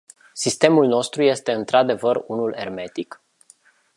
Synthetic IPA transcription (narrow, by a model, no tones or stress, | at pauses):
sist̪e̞mulno̞st̪ɾuje̞st̪e̞ɨnt̪ɾad̪e̞vərunule̞rme̞t̪ik